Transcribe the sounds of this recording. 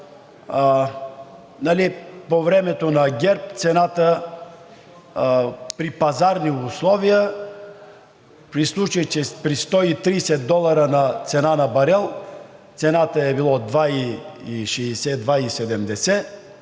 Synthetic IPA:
nalipovɾɛmɛt̪onaɡʲɛɾp̚t̪sɛnat̪ə | pɾipazaɾniʊslˠɔvijə | pɾislˠut͡ʃəjt͡ʃɛpɾist̪ɔit̪ɾisɛd̪d̪ɔlˠaɾənat̪sɛnanabɐɾɛlˠt̪sɛnat̪əɛbilˠɔd̪vaiiʃɛsɛd̪vaisɛd̪ɛmd̪ɛsɛ

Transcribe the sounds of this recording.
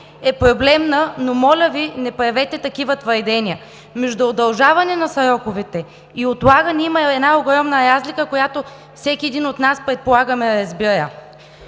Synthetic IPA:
ɛpɾoblɛmnənomɔlʲəvinɛpɐvɛt̪ɛt̪ɐkivət̪vɐɾd̪ɛnʲiə | mɛʒd̪ʊod̪ɐlˠʒavɐnɛnɐsɐɾɔkovɛt̪ɛ | iot̪lˠaɡənɛimɐɛd̪naoɡɾɔmnəɾazlikəkojat̪o | fsɛkʲiɛd̪inot̪naspɾɛt̪̚polˠaɡəmɛɾɐzbiɾə̰

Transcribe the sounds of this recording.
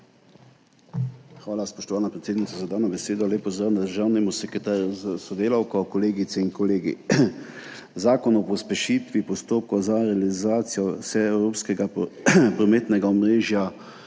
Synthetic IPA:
xʋaːlaspɔʃt̪ɔʋaːnapɾɛt̪seːd̪nit̪sazad̪aːnɔbɛseːd̪ɔleːpɔzəɾnd̪aʒəɾnimɔsɛkɛt̪aɾzsɔd̪eːlawkɔkɔleːɡit̪sɛinkɔleːɡḭ | zaːkɔnɔpɔspɛʃiːt̪ʋipɔst̪oːp̚kɔzaɾɛalizaːt̪sijɔsɛɛwɾoːpskɛɡapɾɔmeːt̪nɛɡaɔmɾeːʒja

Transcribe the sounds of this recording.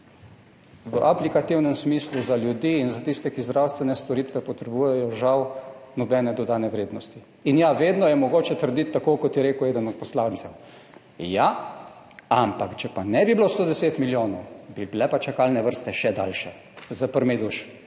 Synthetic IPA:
ʋəʔaplikat̪iwnɛmsmiːsluzaljud̪iːnzat̪ist̪ɛkizd̪ɾawst̪ʋɛnɛst̪ɔɾiːt̪ʋɛpɔt̪ɾɛbuːjɛjɔʒawnɔbɛnɛd̪ɔd̪aːnɛʋɾeːd̪nɔst̪i | injaʋeːd̪nɔjɛmɔɡoːt͡ʃɛt̪əɾd̪it̪ːakokɔt̪jɛɾeːkʊeːd̪ənɔt̪̚pɔslant̪sɛw | ja | ampakt͡ʃɛpanɛbiblost̪oːd̪ɛseːt̪miljoːnobiblɛpat͡ʃakalnɛʋəɾst̪ɛʃɛd̪a̰lʃɛ | zapəɾmɛd̪uʃ

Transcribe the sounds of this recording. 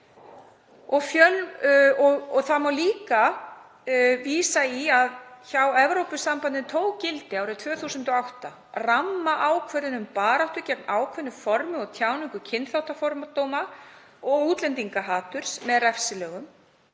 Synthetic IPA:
ɔɣfjœlɔɣɔθamawliːka | viːsaiaðçawɛvɾowpʏsampant̪ɪnt̪ʰoːwcɪlt̪ɪawɾɪt̪ʰvœːθuːsʏnt̪ɔawht̪a | ramːaʔaːwkʰvœɾðɪnʏmpaːɾaht̪ʏcɛk̚maːwkʰvœnʏfɔɾmʏɔɣt̪ʰjaːwnɪŋkʏcʰɪnt̪θawht̪afɔɾmat̪oːwma | ɔɣuːt̪lɛnt̪iŋkaɦaːt̪ʏɾ̥smɛðrɛfsɪlœːɣʏm

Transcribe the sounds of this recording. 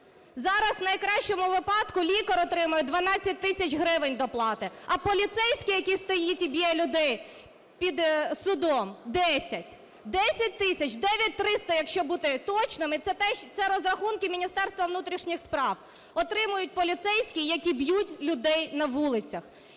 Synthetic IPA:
zɑɾɐznɐjkɾɑʃt͡ʃɔmʊʋɪpɑd̪kʊlʲikɐɾɔt̪ɾɪmʊjɛd̪ʋɐnɑt͡sʲːɐt̚ʲt̪ɪsʲɐt͡ʃɦɾɪʋɪnʲd̪ɔplˠɑt̪ɪɐpɔlʲit̪sɛjsʲkʲɪjɐkʲist̪ɔjitʲibʲjɛlʲʊd̪ɛj | pʲid̪sʊd̪ɔmd̪ɛsʲɐtʲ | d̪ɛsʲɐt̚ʲt̪ɪsʲɐt͡ʃd̪ɛʋʲjɐt̚ʲt̪ɾɪst̪ɐjɐkʃt͡ʃɔbut̪ɪt̪ɔt͡ʃnɪmɪɛt̪ɛʃt̪sɛɾɔzɾɐxunkɪmʲinʲist̪ɛrst̪ʋɐʋnut̪ɾʲiʃnʲixspɾɑw | ɔt̪ɾɪmʊjʊt̚ʲpɔlʲit̪sɛjsʲkʲijɐkʲibjutʲlʲʊd̪ɛjnɐʋulˠɪt͡sʲɐx

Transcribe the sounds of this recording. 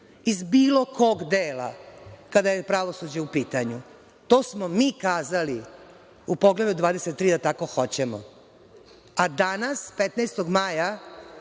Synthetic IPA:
izbiːlo̞kʰo̞ɡd̪eːla̰kad̪ajepɾaʋo̞sud͡ʑeupiːt̪aɲu | t̪o̞ːsmomiːkaːzali | upo̞ɡled̪ud̪ʋaːd̪eset̪tːɾiːd̪at̪ako̞xo̞t͡ɕemo̰ | ad̪anaspet̪najst̪o̞ɡmaja

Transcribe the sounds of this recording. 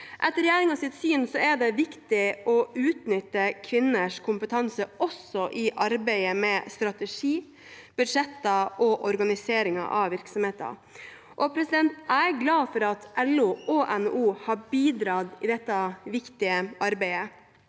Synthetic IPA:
ʔɛt̪ːəɾɛjæːɾɪŋɑsɪt̪syːnsɔæɖ̪ɛʋɪkt̪ɪʔɔʉːt̪nʏt̪ːəkʰʋɪnːəʂkʰʊmpət̪ʰɑnsəʔɔsɔʔɪʔɑɾbæɪəmɛst̪ɾɑt̪əʂiː | b̥ʉd̪ʂɛt̪ːɑʔɔʔɔɾɡɑnɪseːɾɪŋɑ̰ʔɑ̰ʋʋɪɾksɔmheːt̪ɑ̰ | ʔɔpʰɾɛsɪd̪ɛnt̪æɡlɑːfɔɾɑt̪ʔɛluʔoːʔɛnuːhɑːbiːd̪ɾɑːd̪ɪd̪ɛt̪ːɑʋɪkt̪ɪəʔɑɾbæɪə

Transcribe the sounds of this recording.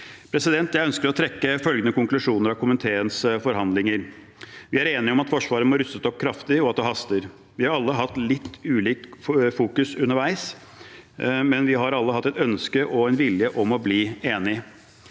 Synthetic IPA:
pʰɾɛsɪd̪ɛnt̪jæɪœnskəɾɔt̪ʰɾɛkːəfœlɡənəkʊŋklʉʂuːnəɾɑʋkʰʊmənt̪ʰeːənsfɔɾɦɑnd̪lɪŋəɾ | ʋɪæɾeːnɪɔmɑt̪fɔʂʋɑːɾənmɔɾʉsət̪ɔp̚ːkʰɾɑft̪ɪɔɑt̪̚d̪ɛɦɑst̪əɾ | ʋɪhɑɾɑlːəɦɑt̪ːlɪt̪ːʉːliːkfuːkʉsʉnːəɾʋæɪs | mɛnʋɪɦɑɾɑlːəɦɑt̪ːɛt̪œnskəʔɔɛnʋɪljəʔɔmɔbliːeːnɪ

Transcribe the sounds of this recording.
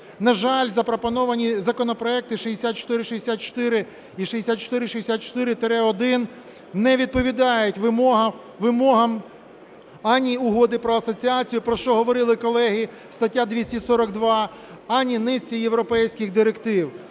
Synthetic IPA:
nɐʒɑlʲzɐpɾɔpɔnɔʋɐnʲizɐkɔnɔpɾɔɛk̚t̪ɪʃiɦesʲat̪̚t͡ʃɔ̥t̪ɪɾɪʃiesʲat̪̚t͡ʃɔ̥t̪ɪɾɪ | iʃiesʲat̪̚t͡ʃɔ̥t̪ɪɾɪʃiesʲat̪̚t͡ʃɔ̥t̪ɪɾɪt̪ɾɛɔd̪ɪn | nɛʋʲid̪̚pɔʋʲid̪ɑjʊtʲʋmɔɐ | ʋɪmɔɦɐm | ɑnʲiʊɦɔd̪ɪpɾɔɐsɔt͡sʲiat͡sʲijʊpɾɔʃt͡ʃɔɦɔʋɔɾɪlˠɪkɔlˠɛɦi | st̪ɐtʲːad̪ʋʲisʲtʲisɔɾɔɡ̚d̪ʋɑ | ɑnʲːinɪsʲt͡sʲijewɾɔpɛjsʲkʲɪxd̪ɪɾekt̪ɪw

